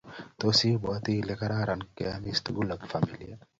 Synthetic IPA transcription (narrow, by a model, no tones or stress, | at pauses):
t̪osiboat̪ilekaɾaɾankeamist̪uɡulabfamilḭa